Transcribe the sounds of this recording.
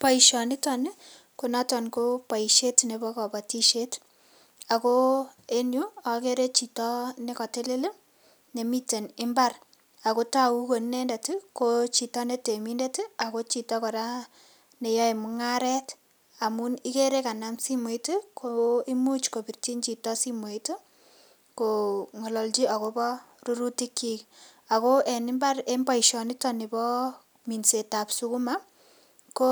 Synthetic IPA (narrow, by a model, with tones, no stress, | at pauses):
pa˦iʃɔ˨nɪ˦tɔ˨ne˦ | ko˨na˦tɔ˨nko˦pa˨i˨ʃe˦tne˨bɔ˦kɔ˨pa˨ti˦ʃe˦t | a˨ko˦e˦nju˦a˨ke˦ɾe˦t͡ʃi˨tɔ˦ne˦kɔ˨te˦le˦le˦ | ne˨mi˦te˨nɪ˦mba˦r | a˨ko˦ta˦u˦ko˨nne˦nda˨ti˦kot͡ʃi˨tɔ˦ne˦te˨mi˦nde˦ta˨ko˦t͡ʃi˨tɔ˦kɔ˨ɾa˦ | ne˨ja˦e˨mu˦ŋa˦ɾɛ˦t | a˨mu˦ni˦ke˦ɾe˦ka˨na˦msi˦me˨tu˦kʰoi˦mu˦t͡ʃko˨pi˨rti˦nt͡ʃi˨tɔ˦si˦mwe˨i˦to˦ | koŋɔ˨lɔ˨lt͡ʃi˦a˨ko˦bɔ˦ru˦ɾu˦ti˦ki˦k | a˨ko˦e˨ni˦mba˦re˦mba˦iʃɔ˨ni˦tɔ˦ni˨bɔ˦ | mi˨nse˨ta˨psu˦ku˦ma˦ | ko˦